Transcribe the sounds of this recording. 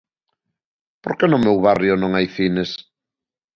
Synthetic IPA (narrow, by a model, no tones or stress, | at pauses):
po̰ɾkenʊmewβarjʊnõŋajθines